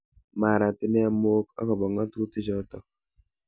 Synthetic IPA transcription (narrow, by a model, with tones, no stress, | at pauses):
ma˨ɾa˨tɪ˦nɛ˦a˦mo˦kɔ̰˦kɔ˨bɔ˨ŋa˦tu˦tɪ˦d͡ʒɔ˦tɔ˨